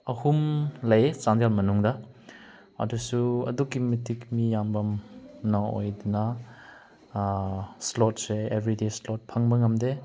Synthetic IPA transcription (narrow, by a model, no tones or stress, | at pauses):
ɐhumlɐjet͡ʃandelmɐnuŋdɐ | ɐ̰dusuɐ̰dukːimitikmijambɐmnɐo̰jdunɐ | slot̚seebɾideslot̚pʰɐŋbɐŋɐmde